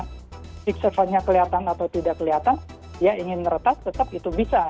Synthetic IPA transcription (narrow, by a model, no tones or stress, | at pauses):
siksəfaɲakəliat̪anat̪awt̪idakːəliat̪an | dijaiŋɪnməɾət̪ast̪ːət̪əp̚it̪ubisa